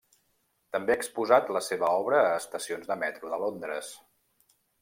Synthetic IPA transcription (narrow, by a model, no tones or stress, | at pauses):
t̪əmbeaəkspuzat̪ləseβəɔβɾəːst̪əsionzðəmɛt̪ɾuðəlond̪ɾə̰s